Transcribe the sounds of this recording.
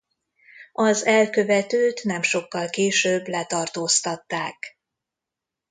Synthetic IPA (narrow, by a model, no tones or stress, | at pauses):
ɒzɛlkøvɛt̪øːt̪nɛmʃo̞kːɒlkeːʃøːblɛt̪ɒrt̪oːst̪ɒt̪ːaːk